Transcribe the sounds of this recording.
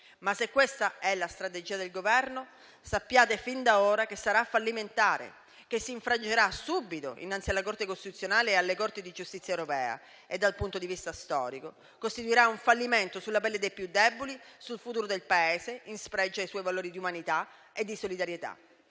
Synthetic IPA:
masekːwest̪aɛlast̪ɾat̪ed͡ʒiːad̪elɡovɛrno | sapːjaːt̪efind̪aoːɾakesːaɾafːalːiment̪aːɾḛ | k̟esːiːɱfɾad͡ʒeɾasubːit̪o̰ḭnːant̪sialakort̪ekost̪it̪ut̪sːjonaːlealːekort̪id̪id͡ʒust̪it̪sːjaewɾopɛːa̰ | ed̪ːalpunt̪od̪ivist̪ast̪ɔ̰ːɾiko | kost̪it̪uiɾauɱfalːiment̪osulːapɛlːed̪ejpjud̪ːɛbːolisulfut̪uːɾod̪elpaeːseinspɾɛd͡ʒːajswɔjvaloːɾid̪iumanit̪a | ed̪ːisolid̪aɾjet̪a̰

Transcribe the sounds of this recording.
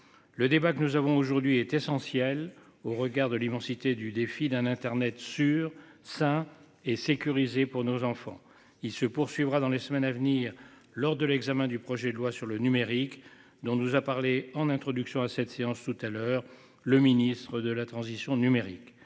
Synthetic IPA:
ləd̪ebakənuzavɔ̃oʒuʁd̪ɥiɛt̪ɛsɑ̃sjɛl | oʁəɡaʁd̪əlimɑ̃sit̪ed̪yd̪efid̪ɛ̃nɛ̃t̪ɛʁnɛt̪syʁsɛ̃ | esekʲyʁizepuʁnozɑ̃fɑ̰̃ | ilsəpuʁsɥivʁad̪ɑ̃lesmɛnavniʁ | lɔʁd̪əlɛɡzamɛ̃d̪ypχɔʒɛd̪əlwasyʁlənymeʁik | d̪ɔ̃nuzapaʁleɑ̃nɛ̃t̪χɔd̪yksjɔ̃asɛt̪seɑ̃st̪ut̪alœʁ | ləminist̪χəd̪əlat̪χɑ̃zisjɔ̃nymeʁḭk

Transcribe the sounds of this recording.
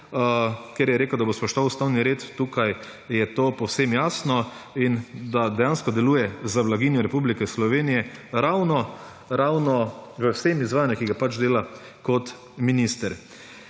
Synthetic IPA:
keɾjɛɾeːkəwd̪abospɔʃt̪ɔʋawst̪awniɾeːt̪ːukaj | jɛt̪opɔwsemjaːsnɔind̪ad̪ɛjanskɔd̪ɛluːjɛzaʋlaɡinjɔɾɛpublikɛslɔʋeːnijɛɾawnɔ | ɾawnɔʋəwsemizʋaːjanjukiɡapat͡ʃd̪eːla | kɔt̪ | minist̪ɛɾ

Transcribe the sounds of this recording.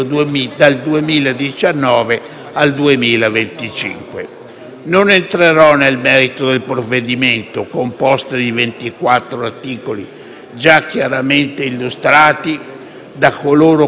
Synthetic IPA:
d̪ald̪uemiːlad̪it͡ʃanːɔːve | ald̪uemiːlavent̪it͡ʃḭŋkwe | nonent̪ɾeɾɔnelmɛːɾit̪od̪elpɾovːed̪iment̪okompɔst̪ad̪ivent̪ikwat̪ːɾoart̪iːkoli | d͡ʒakːjaɾament̪eilːust̪ɾaːt̪i | d̪akːoloːɾo

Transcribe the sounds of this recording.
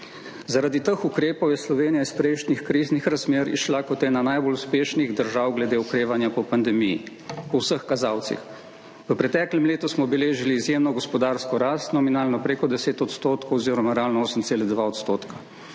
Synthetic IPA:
zaɾad̪it̪əxukɾeːpɔwjɛslɔʋeːnijaispɾɛjʃnixkɾiznixɾazmeːɾḭʃlakɔt̪jɛnanajboluspeːʃniɣd̪əɾʒawɡlɛd̪eːukɾeːʋanjapɔpand̪ɛmijḭ | pɔwsəxkazaːwt̪sḭx | ʋəpɾɛt̪ɛːklɛmleːt̪usmɔbɛleːʒiliːzjeːmnɔɡɔspɔd̪aːɾskɔɾaːst̪nɔminaːlnɔpɾeːkɔd̪ɛseːt̪ɔt̪st̪oːt̪kowɔziːɾɔmaɾaːlnoːsəmt̪seːlɛd̪ʋaɔt̪st̪oːt̪ka

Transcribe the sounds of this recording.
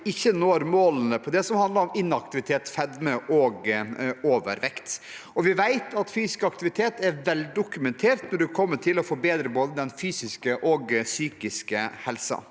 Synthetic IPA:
ɪçːənoːɾmoːlənəpʰɔd̪ɛsɔmhɑnd̪ləɾɔmɪnːɑk̚t̪ɪʋɪt̪ʰeːt̪fɛd̪məʔɔɡoːʋə̰ɾʋɛkt̪ | ɔʋɪʋæɪt̪ʰɑt̪fyːsɪskɑkt̪ɪʋɪt̪ʰeːt̪ɛɾʋɛld̪ʊkʉmɛnt̪ʰeːɾt̪nɔɖʉkʰɔmːəʈʰɪlɔfɔɾbeːd̪ɾəboːd̪əd̪ɛnfyːsɪskəʔɔɡsyːkɪskəhɛlsɑ̰

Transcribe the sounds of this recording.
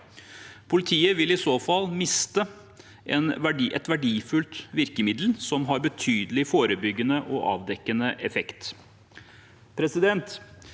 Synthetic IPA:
pʰʊlɪt̪ʰiːəʋɪlɪsoːfɑlːmɪst̪ə | ʔɛ̰nʋæɖʔɛ̰t̪ʋæɖiːfʉlt̪ʋɪɾkəmɪd̪l̩sɔmɦɑɾbət̪ʰyːd̪əlɪfoːɾəbʏɡːənəʔɔʔɑ̰ːʋd̪ɛkːənəʔɛfɛkt̪ | pʰɾɛsɪd̪ɛnt̪

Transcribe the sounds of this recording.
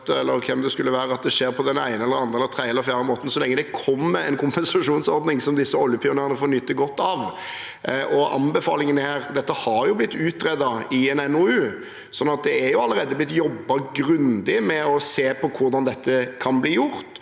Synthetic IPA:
t̪ːəɛlːəɾkʰɛmd̪ɛskʉlːəʋæːɾəɑt̪̚d̪ɛʂeːɾpʰɔd̪ɛnæɪnəɛlːəɾɑnd̪ʁəɛlːəɾt̪ʰʁæɪɛlːəɾfjæːɾəmoːt̪ən̩sɔlɛŋːəd̪ɛkʰɔmːɛɛnkʰʊmpɛnsɑʂuːnsɔɾd̪nɪŋsɔmd̪ɪsːəɔljəpʰɪʊnæːʁənəfɔɾnʏt̪ːəɡɔt̪ːɑʋ | ʔɔɑnbɛfɑ̰ːlɪŋənhæːɾd̪ɛt̪ːəhɑɾjʊblɪt̪ːʉːt̪ɾɛd̪ɑɪɛnɛnoʉː | sɔnːɑt̪̚d̪ɛæɾjʊɑlːəɾeːd̪əblɪt̪ːjɔbːɑɡɾʉnd̪ɪmɛɔseːpʰɔkʰʊɾd̪ɑnd̪ɛt̪ʰːəkʰɑnbliːjʊɾt̪

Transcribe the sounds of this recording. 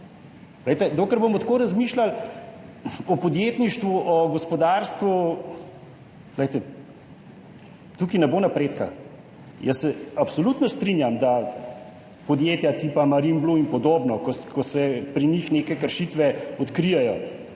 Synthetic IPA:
lɛjt̪ɛd̪oːkəɾbomɔt̪koːɾazmiːʃlal | ɔpɔd̪jeːt̪niʃt̪ʋuʔɔɡɔspɔd̪aɾst̪ʋu | zlɛjt̪ɛ | t̪ukinɛboːnapɾeːt̪ka̰ | jəsːɛapsɔlut̪nɔst̪ɾinjamd̪a | pɔd̪jeːt̪jat̪ipamaɾimbluinpɔd̪oːbnɔkɔkɔsɛpɾinixneːkɛkəɾʃit̪ʋɛɔt̪kɾijɛjɔ

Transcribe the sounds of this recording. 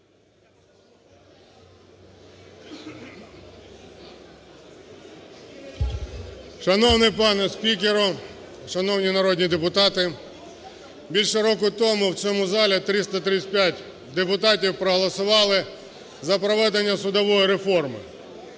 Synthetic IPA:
ʃɐnɔwnɪjpɑnɛspʲik̬ʲeɾɔ | ʃɐnɔwnʲinɐɾɔdʲnʲid̪epʊt̪ɑt̪ɪ | bʲilʲʃɛɾɔkʊt̪ɔmʊw̪t͡sʲɔmʊzɑlʲit̪ɾɪst̪ɐt̪ɾɪt͡s̚ːʲpʲjatʲ | d̪epʊt̪ɑt̬ʲiwpɾɔɦɔlˠɐsʊʋɑlˠɪ | zɐpɾɔʋɛd̪enʲːɐsʊd̪ɔʋɔjiɾefɔrmɪ̰

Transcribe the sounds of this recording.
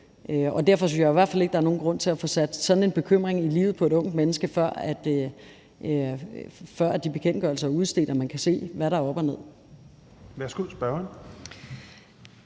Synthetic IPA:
ʔøɒ̽d̥æɐ̰fɒ̽synsjɑ̈iʋæɐd̥fæle̝ɡ̥̚d̥ɑæɐno̝ːn̩ɡ̥ʁɔ̽n̰t͡sʰe̝læfɔ̽sæd̥sɒ̽d̥n̩e̝nb̥e̝kʰøm̰ʁeŋilḭːʊð̩ˠpʰɒ̽e̝ɾɔ̽ŋ̰d̥menəsɡ̥əfɶɐ̰æd̥ | fɶɐ̰æd̥ib̥e̝kʰen̰ɡ̥ɶɐ̰l̩sɐæuð̞̩ˠsd̥e̝̰ːdɒmænkʰæse̝̰ːʋæɾɑ̈ɒ̽b̥ɒne̝ð̰ˠ | ʋæɐsɡ̥uðˠsb̥ɶɐn

